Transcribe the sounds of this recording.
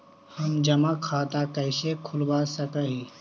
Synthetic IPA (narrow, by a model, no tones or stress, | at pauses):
hɐmd͡ʒɐmakʰːaːt̪akəɪsekʰʊlbaːsəkəɦiː